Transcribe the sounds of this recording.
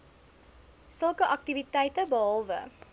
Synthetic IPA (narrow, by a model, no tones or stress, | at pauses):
səlˠkəʔɐk̚tivitɛjtəbəɦɒlˠvə̰